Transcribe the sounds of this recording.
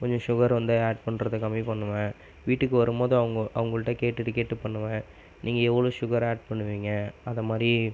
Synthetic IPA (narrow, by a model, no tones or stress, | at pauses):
kɔɲd͡ʒɔ̃ʂʊɣɐɾʋɐnd̪ɯaːʈ̚pɐɳːɾɐðɯkɐmːipɐɳːɯʋɐ̃ | ʋiːʈːɯkːɯʋɐɾɯmoːðɯɐʋɐŋɡɐʔɐʋɐŋɡɐɭɯʈːɐkeːʈːɪʈːɯkeːʈːɯpːɐɳːɯʋɐ̃ | niːŋɡɐɛʋːɐɭoːʂʊɣɐɾaːʈ̚pɐɳːɯʋiːŋɡɐɐðɐmaːd̪ɾi